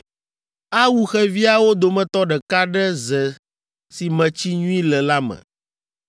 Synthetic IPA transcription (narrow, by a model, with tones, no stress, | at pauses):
a˦wu˦xɛ˦vi˦a˨wo˦d̪o˨mɛ̃˨t̪ɔ˦ɖɛ˨ka˦ɖɛ˦zɛ˨ | si˨mɛ̃˨t͡ɕi˦ɲũ˦ĩ˦lɛ˨la˦mɛ̰̃˨